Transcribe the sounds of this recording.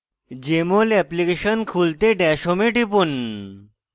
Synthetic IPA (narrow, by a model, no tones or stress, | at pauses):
d͡ʑemolɛplikeɕənkʰult̪eɖɛɕomeʈipun